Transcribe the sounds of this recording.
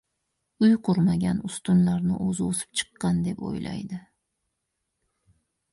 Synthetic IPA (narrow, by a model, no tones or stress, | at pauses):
ʊjqʰʊɾmaɡʲanʊst̪ʊnlaɾnɪʔozɪosɪ̥p̚t͡ʃʰɨ̥qːɑnd̪e̞po̰jlʔa̰jd̪ɪ